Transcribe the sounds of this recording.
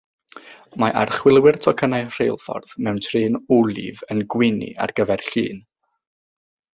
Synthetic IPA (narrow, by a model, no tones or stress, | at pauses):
maʔarχwɪlˠwɪrtʰɔkʰənajr̥ejlˠfɔ̰rðmɛwntʰrɨːnulˠḭvənɡwɪnḭa̰rɡəvɛrɬḭːn